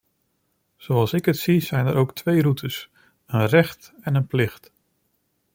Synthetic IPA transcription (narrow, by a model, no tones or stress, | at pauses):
z̥owɑlˠsɪkətsizɛjnəɾowktʰʋejrutəs | ənrɛχtɛnənplɪχt